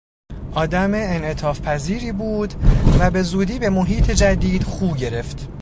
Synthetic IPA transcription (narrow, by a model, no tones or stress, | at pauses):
ʔɒːd̪æmeːnʔe̞t̪ʰɒːfpʰæziːɾiːbuːd̪væbe̞zuːd̪iːbe̞mo̞ɦiːt̪ʰe̞d͡ʒæd̪iːd̪̥χuːɟe̞ɾe̞ft̪